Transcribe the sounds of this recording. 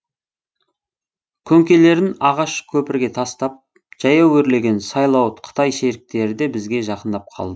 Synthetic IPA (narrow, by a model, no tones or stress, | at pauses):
kʲʰɵŋkʲe̞le̞ɾɪnɑʁɑʃkʲʰɵpɪɾɡʲe̞t̪ʰɑst̪ɑp̚ | ʒ̥ɑjɑwɵɾle̞ɡʲe̞nsɑjlˠɑwət̪qʰə̥t̪ɑjʃe̞ɾɪk̚t̪e̞ɾɪd̪e̞bɪzɡʲe̞ʒɑqənd̪ɑp̚qʰɑ̰lˠd̪ə